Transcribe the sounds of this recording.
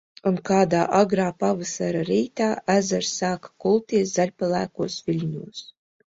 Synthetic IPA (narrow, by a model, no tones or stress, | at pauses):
unkaːd̪aːʔaɡɾaːpavɨsaɾaɾiːt̪aːʔæzaɾsːaːkḁkulˠt̪iɛszalʲpalˠæːkuɔsvʲilʲnʲuɔs